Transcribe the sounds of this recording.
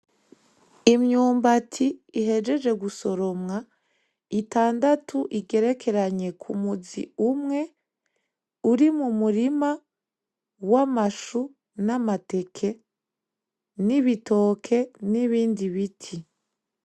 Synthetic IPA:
imɲuːmbatʰiiɦe̞d͡ʒe̞d͡ʒe̞ɡuso̞ɾo̞mŋa | itaːndatʰuʔiɡe̞ɾe̞kʰe̞ɾaɲe̞kʰumuzḭumŋe̞ | uɾimumuɾima | wamaʃu | namate̞kʰe̞ | niβito̞ːkʰe̞niβiːndiβitʰi

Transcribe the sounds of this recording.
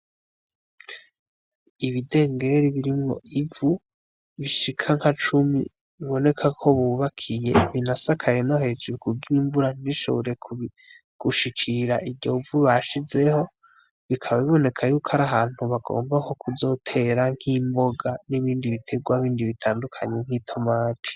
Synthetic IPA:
iβide̞ːŋɡe̞ɾiβiɾimŋo̞̰ʔivu | βiʃikʰaŋhat͡ʃumḭ | βiβo̞ne̞kʰakʰo̞βuːβakʰije̞βinasakʰajenoɦe̞ːd͡ʒuɾukʰuɡiiɱvuɾaniʃo̞̰βoɾe̞k | ɡ̥uʃikʰiɾaʔivɟo̞vuβaʃize̞ho̞ | βikʰaβaβiβo̞ne̞kʰajuːkʰaɾaɦaːn̥huβaɡ̥o̞̰ːmbako̞kʰuzo̞tʰe̞ɾaŋ̥himbo̞ɡaniβiːndiβitʰe̞ɡwaβiːndiβitʰaːndukʰaɲeŋ̥hitʰo̞maːtʰi̥

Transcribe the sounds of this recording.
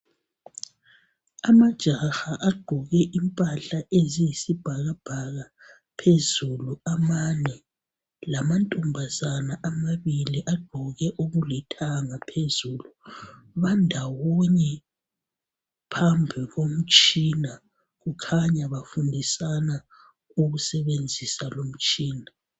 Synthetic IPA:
amad̥ʒ̥ʱaxaʔaɡ͡ǃ̥ʱɔɣɛʔimpʼaɬaʔezijisib̥ʱaɣab̥ʱaɣa | pʰezuluamanɛ | lamantʼumbʱazanaʔamaβiliʔaɡ͡ǃ̥ʱɔɣɛʔuɣulɛtʰaŋapʰezuːlu | βandʱawɔɲɛ | pʰambʱiɣom̩t͡ʃʼina | ɣukʰaɲaβafundʱisana | uɣusɛβend͡zʱisalom̩t͡ʃʼiːna

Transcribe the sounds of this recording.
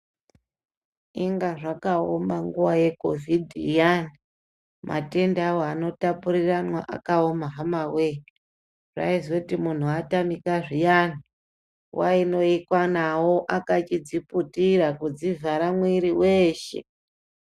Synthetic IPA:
iŋɡaʐakaomaŋɡuwaje̞ko̞̰vidʱjani | mʔa̰te̞ndawano̞tapuɾiranwaʔa̰kaomaɦamawe | ʐa̰izotimun̤uatamikaʐijan̤i | wʔaino̞ikwanawo̞ʔakat͡ʃid͡ziputiɾakud͡zivʱaɾamwiɾiweːʃe̞̰

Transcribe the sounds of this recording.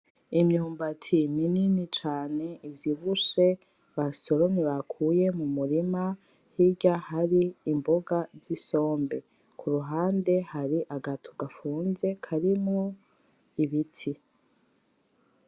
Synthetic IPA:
imɲuːmbatʰimininit͡ʃaːne̞ʔivjiːβuʃe̞ | βaso̞ɾoniβakʰuːje̞mumuɾima | hiɟahaɾiːmbo̞ɡaziso̞ːmbe̞ | kʰuɾuɦaːnde̞haɾiʔaɡatʰoɡafuːnze̞kʰaɾimŋo̞ | iβitʰi

